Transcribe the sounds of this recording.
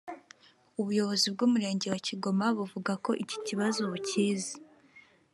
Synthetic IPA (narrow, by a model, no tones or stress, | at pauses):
uβujo̞βo̞zib̚ɡuːmuɾe̞ːɲɟe̞waciɡo̞maβuvuɡako̞ʔici̥ciβazo̞βuciːzi